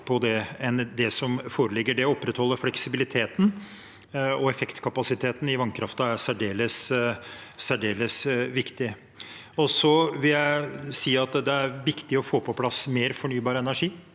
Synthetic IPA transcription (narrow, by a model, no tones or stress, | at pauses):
pʰɔd̪ɛɛnd̪ɛsɔmfoːɾəlɪɡːəɖɛɔpːɾɛt̪hɔlːəɾflɛksɪbɪlɪt̪ʰeːt̪n̩ | ɔɛfɛkt̪kʰɑpɑsɪt̪ʰeːt̪n̩ɪʋɑŋkʰɾɑft̪ɑæsæɖeːləs | sæɖeːləsʋɪkt̪ɪ | ɔsɔʋɪljæɪsiːɑt̪d̪ɛæɾʋɪkt̪ɪɔfoːpʰɔpʰlɑsmeːɾfɔɳyːbɑːɾəɛnæʂiː